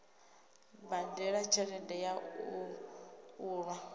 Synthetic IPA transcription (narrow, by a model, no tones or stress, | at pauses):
bandɛɺat͡ʃʰɛɾɛndɛja | uːɺwa